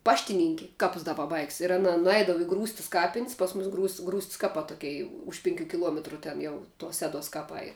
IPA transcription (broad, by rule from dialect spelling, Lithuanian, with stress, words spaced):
ˈpɑːʃʲtʲɪnʲɪŋʲkʲɪ ˈkɑːpʊs dɐ pɐˈbɐɪks ɪr ɐˈnɐ nʊˈɛɪdɐʋɐ ɪ ˈɡruːsʲtʲɪs ˈkɑːpʲɪnʲsʲ ˈpɐs ˌmʊs ˈɡruːsʲtʲsʲ ɡruːsʲtʲsʲ ˈkɑːpɑː ˈtoːkʲɛɪ ˈʊʃ pʲɪŋʲˌkʲuː kʲɪˈlˠuɔmʲɛtrʊ ˈtʲɛn jɛʊ tuɔs ˈsʲæːˌduɔs kɐˈpɐɪ